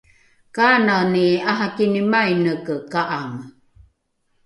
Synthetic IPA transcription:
kananiaɦakinimajnəkəkaʔam

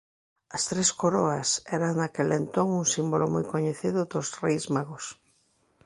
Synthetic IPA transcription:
ɐst̪ɾeskoɾoɐsɛɾaŋnakelent̪oŋuŋsimbolomojkoɲeθiðʊðʊzrejzmaɣʊs

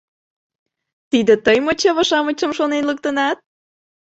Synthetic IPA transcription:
t̪id̪ət̪əjmot͡ɕəβəʃɑmət͡ɕəmʃonenlək̚t̪ənɑt̪̚

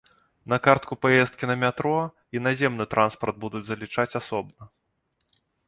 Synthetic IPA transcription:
nɐkart̪kupajɛst̪̚kʲinɐmʲat̪ɾɔ | inazʲɛmnɨt̪ɾʔanspɐrd̪̚bud̪ud͡zʲzɐlʲit͡ʂat͡sʲasɔbnɐ

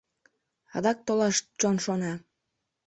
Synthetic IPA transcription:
ɑ̰d̪ɑk̚t̪olɑʃt͡ɕonʃonɑ

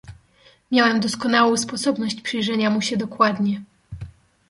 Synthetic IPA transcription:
mʲjawɛmd̪ɔskɔnawɔ̃w̃spɔsɔbnɔɕt͡ɕpʂɛjʐɛɲamuɕɛd̪ɔkwad̪ɲɛ

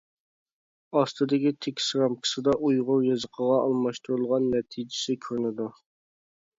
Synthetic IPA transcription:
ɑst̪ʰɨd̪ɪkʲit̪ʰɪkʲʰsɾɑmkʲʰə̥sɨd̪ɑʔujʁʊɾjɑzəqʰəʁɑʔɑlˠmɑʃt̪uɾulˠʁɑnːɛt̪ʰid͡ʒɪsɪkʲʰøɾnɪd̪u

